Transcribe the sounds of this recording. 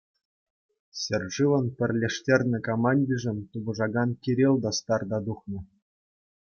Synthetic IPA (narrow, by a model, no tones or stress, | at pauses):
sʲerʐɨʋɤ̆npʲɘ̆rʲlʲeʂtʲerʲnʲɘ̆komɑnʲdʲiʐɘ̆nt̪ubɤ̆ʐɑɡɑnkʲiɾʲelʲˠd̪ɑst̪ɑrd̪ɑd̪uχnɤ̆